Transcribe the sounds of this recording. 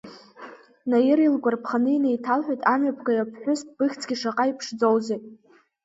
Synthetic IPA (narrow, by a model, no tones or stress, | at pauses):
najɪrilɡʷarpʰχanɨinejtʰalħʷᶣajtʼamɥapʰkʰajapʰħʷʊsb̥ɨxʲt͡sʰɡʲiʂaqʼaipʰʂd͡zowzejtʼ